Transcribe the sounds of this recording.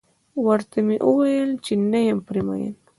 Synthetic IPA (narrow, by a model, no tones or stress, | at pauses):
waɾt̪ɪmɪʔʊwejalt͡ʃɪnːajampɾɪma̰ja̰n